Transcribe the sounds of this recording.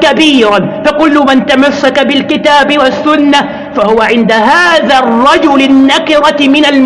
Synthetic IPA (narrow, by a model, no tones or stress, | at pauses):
kabiːɾanfaqʊlːʊmant̪amasːakabɪlkɪt̪aːbɪwasːʊnːa | fahʊwaʕɪnd̪aɦaːðarˤːɑd͡ʒʊlɪnːakɪɾˤɑmɪnalm